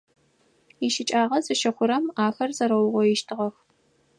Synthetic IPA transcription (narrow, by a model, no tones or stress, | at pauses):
iʃɪt͡ʃʼaːʁɐzɨʃɐχʷʊɾɐmaːxɐrzɐɾɐwʊʁʷɔjɪʃtʰɨʁɐx